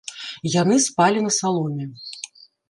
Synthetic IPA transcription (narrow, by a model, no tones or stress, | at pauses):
janɨspalʲinɐsalˠɔmʲɛ